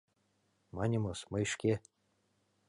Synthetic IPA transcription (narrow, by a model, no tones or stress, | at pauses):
mɑnʲimosmɤjʃkʲe